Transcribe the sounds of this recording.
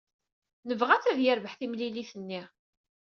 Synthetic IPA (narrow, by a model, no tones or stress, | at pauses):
nəvʁæt͡sːæðjəɾvəħθimliliθənːi